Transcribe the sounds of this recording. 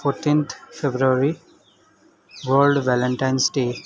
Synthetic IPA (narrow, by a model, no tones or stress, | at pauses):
foːɾʈːĩːnt̪ʰfebɾuɾi | ʋəːlɖʋælə̃ɳʈãɪ̃nsʈeː